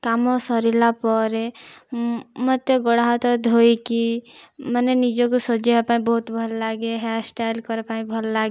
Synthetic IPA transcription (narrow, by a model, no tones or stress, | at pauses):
kamɔsɔɾilapɔɾe | mət̪eɡɔɽɦat̪ɔd̪ʱoikimənenid͡ʒokosɔd͡ʒeɦəpaĩbɔɦut̪bʱəlːaɡeɦɛsʈalkɔɾpaĩbʱəlːaɡe